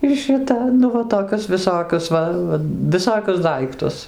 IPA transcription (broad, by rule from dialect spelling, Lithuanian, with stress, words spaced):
ɪr ʃʲɪˈtɐ nʊ ˈʋɐ toːˈkʲʊs ʋʲɪˈsoːkʲʊs ˈʋɐ ʋʲɪˈsoːkʲʊs ˈdɐɪktʊs